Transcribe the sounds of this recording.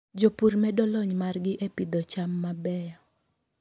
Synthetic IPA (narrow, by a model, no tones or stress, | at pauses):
d͡ʒopuɾmɛdɔlɔɲmarɡɪʔepid̪ɔt͡ʃamːabɛjɔ